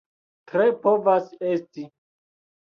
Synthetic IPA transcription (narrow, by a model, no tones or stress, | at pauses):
tɾepovasesti